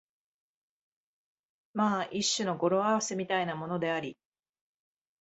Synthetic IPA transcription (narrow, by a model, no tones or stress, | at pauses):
maːʔiɕːɨno̞ɡo̞ɾo̞aβase̞mʲit̪ainamo̞no̞d̪e̞aɾʲi